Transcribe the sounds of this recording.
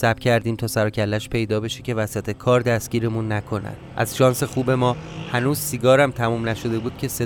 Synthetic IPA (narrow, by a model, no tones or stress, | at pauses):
sæbcʰæɾd̪iːmt̪ʰɒːsæɾɒːcʰælːæʃpʰe̞jd̪ɒːbe̞ʃece̞væsæt̪ʰe̞kʰɒːɾd̪æst̪ɟ̥ʲiːɾe̞munːækʰo̞næ̰d̪ʔæ̰z̥ʃɒːnse̞xuːbe̞mɒːhænuːzsiɡɒːɾæmt̪ʰæmuːmnæʃo̞d̪e̞buːd̪̥̚cʰe̞se